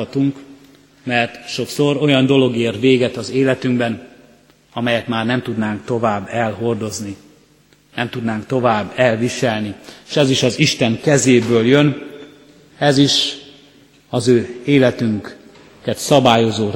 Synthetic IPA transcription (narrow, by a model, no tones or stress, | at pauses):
ɒt̪uŋk | mɛrt̪ʃo̞kso̞ro̞jɒnd̪o̞lo̞ɡeːrʋeːɡɛt̪ɒzeːlɛt̪yŋɡbɛn | ɒmɛjɛt̪maːrnɛmt̪ud̪naːŋkt̪o̞vaːbːɛlɦo̞rd̪o̞zni | nɛmt̪ud̪naːŋkt̪o̞vaːbːɛlviʃɛlnieʃɛziʃɒziʃt̪ɛŋkɛzeːbøːljøn | ɛziʃ | ɒzøːeːlɛt̪yŋk | kɛt̪sɒbaːjo̞zoː